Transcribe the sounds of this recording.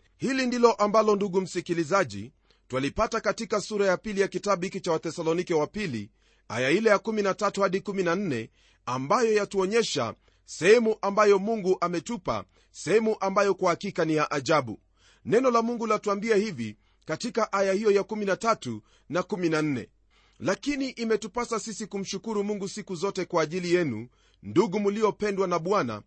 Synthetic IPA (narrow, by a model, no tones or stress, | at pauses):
hilindilɔʔambalɔnduɠum̩sikilizaʄḭ | twalipatakatikasuɾajapilijakitaɓuhikit͡ʃawaθɛsalɔnikɛwapilḭ | a̰jailɛjakuminatatuhaɗikuminan̩nɛ | ambajɔjatuɔɲɛʃa̰ | sɛhɛmuʔambajɔmuŋɡuʔamɛtupa̰ | sɛhɛmuʔambajɔkwahakikanijaʔaʄaɓṵ | nɛnɔlamuŋɡulatuambiahivḭ | katikaʔajahijɔjakuminatatu | nakuminan̩nɛ̰ | lakiniʔimɛtupasasisikum̩ʃukuɾumuŋɡusikuzɔtɛkwaːʄilijɛnṵ | nduɠumulijɔpɛndwanaɓwana̰